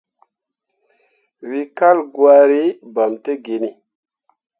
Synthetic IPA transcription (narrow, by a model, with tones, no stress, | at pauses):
wi˦ka˦lɡwa˦ɾi˦ba˨mte˦ɡe˨ni˨